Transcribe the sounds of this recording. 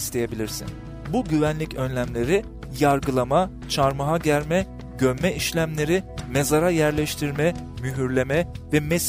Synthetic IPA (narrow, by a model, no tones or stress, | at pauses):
st̪ʰe̞je̞bilʲiɾsḭn | buɟyvænlʲicʰø̞nlʲæmlʲe̞ɾi | jaɾɡɯlˠama | t͡ʃʰaɾmaɦaɟæɾmɛ | ɟømmɛʔiʃlʲæmlʲe̞ɾime̞zaɾajæɾlʲɛʃt̪ʰiɾmɛ | myɦyɾlʲe̞mɛvɛmes